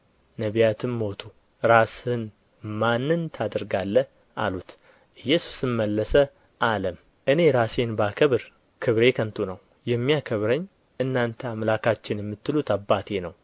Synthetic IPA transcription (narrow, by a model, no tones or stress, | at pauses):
nəβijat̪ʰɨnmo̞t̪ʰu | ɾasɨn | manːɨnt̪ʰad̪əɾɡalːə | ʔa̰lut̪ | ʔɨjːɛsu̥sɨmməlːəsə | ʔaləm | ʔɨne̞ɾase̞nbakʰəβɨɾ | kʰɨβɾe̞kʰənt̪ʰunəw | jɛmːijakʰəβɾəɲː | ʔɨnːant̪ʰəamlakʰat͡ʃːɪnjɛmːɨt̪ːɨlut̪abːat̪ʰe̞nəw